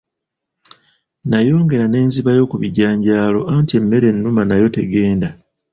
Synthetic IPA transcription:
najo̞ːŋɡe̞ɾane̞ːnziβajo̞ːkuβiɟaːɲɟaːlo̞aːntie̞mːe̞ɾe̞nːumanajo̞te̞ɡe̞ːnda

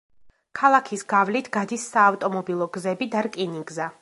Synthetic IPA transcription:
kʰalˠakʰisɡavlit̪ʰɡ̥ad̪isːaːft̪ʼɔmɔbilˠɔɡzɛbid̪aɾkʼiniɡza

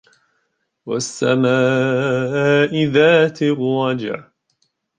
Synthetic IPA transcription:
wa̰sːamaː | ʔɪðaːt̪ɪɾɑd͡ʒɪ̰ʕ

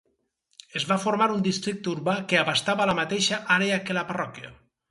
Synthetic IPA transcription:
ezβafoɾmaɾund̪ist̪ɾik̚t̪uɾβakeaβast̪aβalamat̪eʃaʔaɾeakelaparɔkja̰

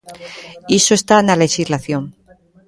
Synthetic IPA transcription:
isoest̪analexizlaθjoŋ

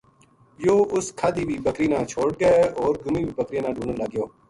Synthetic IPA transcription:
joːʊskʰaːd̪iːbʱiːbəkɾiːnãːt͡ʃʰoːɽ̚ɡəeːɔːɾɡʊmiːbʱiːbəkɾijãːnãːɖuːnənləɡɪjoː

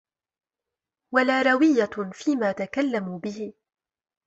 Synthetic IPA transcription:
walaːɾˤɑwɪjːafiːmaːt̪akalːamuːbɪhɪ

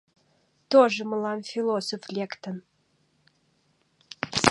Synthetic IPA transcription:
t̪oʒə̆məlɑnfʲilosoflʲekt̪ə̆n

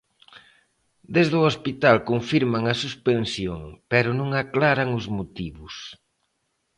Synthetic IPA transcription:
d̪ezðʊospit̪alkoɱfiɾmaŋɐsuspensjoŋpɛɾʊnõŋaklaɾaŋʊzmot̪iβʊs

